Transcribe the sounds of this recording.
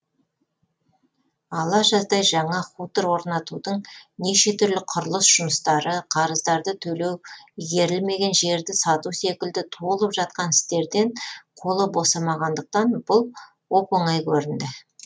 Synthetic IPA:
ɑlˠɑʒɑzd̪ɑjʒɑɴɑχut̪əɾwo̞ɾnɑt̪ud̪əɴneʃe̞t̪ʰʏɾlɪqʰʊɾlˠəsʒ̥ʊməst̪ɑɾəqʰɑɾəzd̪ɑɾd̪ət̪ʰɵle̞wɡʲe̞ɾɪlme̞ɡʲe̞nʒe̞ɾd̪ɪsɑt̪use̞kʲɪld̪ɪt̪ʰolˠəpʒɑt̪̚qɑnɪst̪e̞ɾd̪e̞ɴqʰo̞lˠəbo̞sɑmɑʁɑnd̪əq̚t̪ɑnb̥ʊlˠ | wopoɴɑjkʲʰɵɾɪnd̪ɪ

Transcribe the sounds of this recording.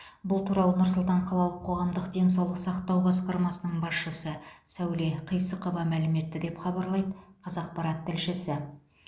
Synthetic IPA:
bʊlˠt̪ʰuɾɑlˠənʊɾsʊlˠt̪ɑɴqʰɑlˠɑlˠəqʰːo̞ʁɑmd̪əqd̪e̞ns̬ɑwlˠəqsɑqt̪ɑwbɑsqɑɾmɑsənəɴbɑsʃəsəsæwle̞qʰəjsəqovɑmælɪme̞t̪ːɪd̪e̞pχɑbɑɾlˠɑjd̪əqʰɑzɑq̚pɑɾɑt̪ʰːɪlʃɪsɪ

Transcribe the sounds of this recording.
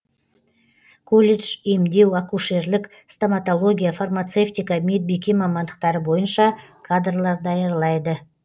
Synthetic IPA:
kʰolʲeʒemd̪e̞wakuʃe̞ɾlɪk | st̪amat̪o̞lˠo̞ɡʲijafarmat̪seft̪ijkɑmed̪̚bekʲimɑmɑnd̪əq̚t̪ɑɾəbo̞jənʃɑkʰad̪rlˠɑɾd̪ɑjəɾlˠɑjd̪ə

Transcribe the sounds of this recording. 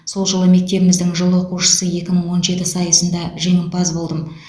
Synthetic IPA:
so̞lˠʒolˠəme̞k̚t̪e̞bɪmɪzd̪ɪŋʒəlˠwo̞quʃə̥səje̞kʲɪməɴwo̞nʒe̞t̪ɪsɑjəsənd̪ɑʒe̞ŋɪmpɑzbo̞lˠd̪əm

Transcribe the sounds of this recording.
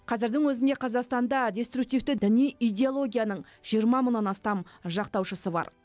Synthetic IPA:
qʰɑzɪɾd̪ɪŋwɵzɪnd̪e̞qʰɑzɑqst̪ɑnd̪ɑd̪ʲe̞st̪ɾuk̚t̪ijft̪ɪd̪ɪnijijd̪ʲeolˠo̞ɡʲijanəɴ | ʒ̥ijəɾmɑməɴnːɑnɑst̪ɑmʒɑqt̪ɑwʃəsəbɑ̰ɾ

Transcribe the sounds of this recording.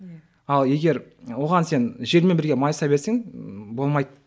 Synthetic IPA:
ɑlˠje̞ɡʲe̞ɾwo̞ʁɑnse̞nʒe̞lmenbɪɾɡʲe̞mɑjsɑbe̞ɾseŋbo̞lˠmɑjd̪

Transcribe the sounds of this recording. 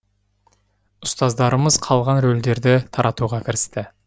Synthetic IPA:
ʊst̪ɑzd̪ɑɾəməzqʰɑlˠʁɑnɾold̪e̞ɾd̪ɪt̪ʰɑɾʔɑt̪uʁɑkʲʰɪɾɪst̪ɪ

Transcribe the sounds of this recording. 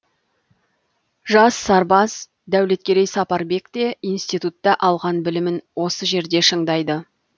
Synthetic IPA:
ʒɑsːɑɾbɑs | d̪æwle̞t̪̚kʲe̞ɾejsɑpɑɾbe̞kt̪e̞ijnst̪ijt̪ut̪ːɑʔɑlˠʁɑnbɪlɪmɪnwo̞səʒe̞ɾd̪e̞ʃəɴd̪ɑjd̪ə

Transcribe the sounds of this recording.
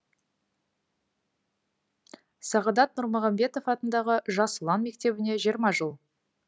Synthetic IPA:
sɑʁɑd̪ɑt̪̚nʊɾmʊʁɑmbe̞t̪ofɑt̪ənd̪ɑʁəʒɑsəlˠɑnme̞k̚t̪e̞βɪne̞ʒijəɾmɑʒəlˠ

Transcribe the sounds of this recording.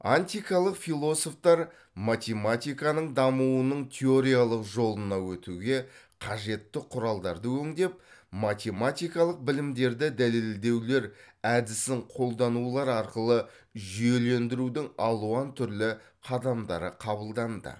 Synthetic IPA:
anʲt̪ʲijkɑlˠəqfilˠo̞so̞ft̪ɑɾ | mat̪ʲe̞mat̪ʲijkɑnəɴd̪ɑmuwənəɴt̪ʲʰe̞o̞ɾʲijalˠəqʒo̞lˠənɑwɵt̪uɡʲe̞ | qʰɑʒe̞t̪ːɪqʰʊɾɑlˠd̪ɑɾd̪əwɵŋd̪e̞p̚mat̪ʲe̞mat̪ʲijkɑlˠəq̚bɪlɪmd̪e̞ɾd̪ɪd̪æle̞ld̪e̞wle̞ɾ | æd̪ɪsɪɴqʰo̞lˠd̪ɑnulˠɑɾɑɾqəlˠə | ʒijele̞nd̪ɪɾud̪ɪŋɑlˠuɑnt̪ʰʏɾlɪ | qʰɑd̪ɑmd̪ɑ̰ɾəqʰɑbəlˠd̪ɑnd̪ə̰

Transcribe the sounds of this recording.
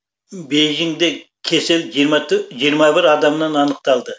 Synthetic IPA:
bejʒɪŋd̪ekʲʰe̞sɪlʒɾmɑʒijəɾmɑbɪɾɑd̪ɑmnɑnɑnəq̚t̪ɑlˠd̪ə

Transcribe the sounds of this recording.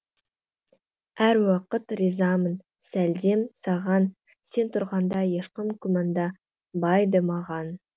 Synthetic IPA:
æɾwɑqət̪rizɑmən | sæld̪e̞msɑʁɑn | se̞nt̪ʰʊɾʁɑnd̪ɑje̞ʃqəmkʲʰʏmɑnd̪ɑ | bɑjd̪əmɑʁɑn

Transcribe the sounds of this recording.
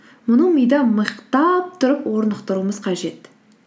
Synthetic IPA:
mʊnəɴmijd̪ɑməqt̪ɑp̚t̪ʰʊɾəpwo̞ɾnəqt̪əɾuəməzqʰɑʒe̞t̪

